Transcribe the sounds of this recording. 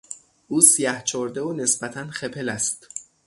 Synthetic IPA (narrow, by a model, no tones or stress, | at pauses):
ʔuːsijæht͡ʃʰoɾd̪eone̞sbæt̪ʰænxepʰe̞læst̪